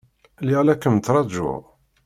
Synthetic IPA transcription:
liʁlækːəmt̪ːɾˤɑd͡ʒʊ̰ʁ

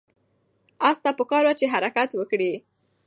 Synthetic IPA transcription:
ɑst̪ɑpəkɑɾwat͡ʃeɦaɾakat̪wəkɽi

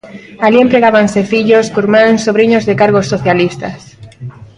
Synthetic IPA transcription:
aliempɾeɣaβansefiʎoskuɾmãŋsːoβɾiɲozðekaɾɣosːoθjalist̪ɐs

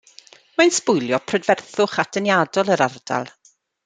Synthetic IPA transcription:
majnspʊjlˠjɔpʰrədvɛrθʊχad̥ənjaːdɔlˠəɾard̥a̰lˠ

